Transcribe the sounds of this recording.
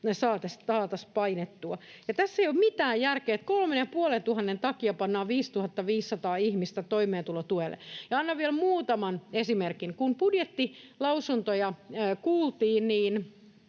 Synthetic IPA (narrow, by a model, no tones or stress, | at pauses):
nesɑːt̪esɑːt̪ɑspɑinet̪ːuɑjɑt̪æsːeijoːmmit̪æːjjærkeːt̪kolmenjɑpuolent̪uhɑnːent̪ɑkiɑpɑnːɑːʋiːst̪uhɑt̪ːɑʋiːsːɑt̪ɑːihmist̪æt̪oimeːnt̪ulot̪uelːḛjɑɑnːɑʋʋiɛlmuːt̪ɑmɑnesimerkiŋkumpudjet̪ːilɑusunt̪ojɑːkuːlt̪iːnniːn